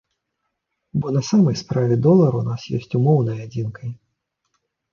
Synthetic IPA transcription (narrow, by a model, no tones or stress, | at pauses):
bɔnɐsamɐjspɾavʲɛd̪ɔlˠɐɾunasjɔ̰sʲt͡sʲumɔwnɐjad͡zʲinkɐj